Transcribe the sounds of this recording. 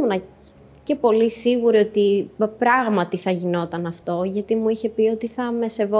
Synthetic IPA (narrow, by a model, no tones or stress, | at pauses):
unɐ | ce̞po̞lisiɣuɾio̞t̪ipɾɐɣmɐt̪iθɐʝino̞t̪ɐnɐft̪o̞ʝɐt̪imuiçe̞pio̞t̪iθɐme̞se̞vo